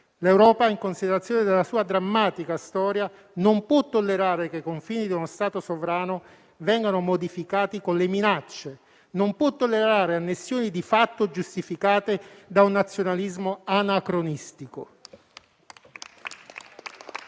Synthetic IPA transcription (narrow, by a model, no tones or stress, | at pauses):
lewɾɔːpaiŋkonsid̪eɾat̪sjoːned̪elːasuːad̪ɾamːaːt̪ikast̪ɔːɾja | nompwɔt̪ːolːeɾaːɾekekoɱfiːnid̪iunost̪aːt̪osovɾaːno | vɛŋɡanomod̪ifikaːt̪ikonleminat͡ʃːe | nompwɔt̪ːolːeɾaːɾeanːesːjoːnid̪ifat̪ːod͡ʒust̪ifikaːt̪ed̪aunːat̪sːjonalizmoanakɾonist̪iko̰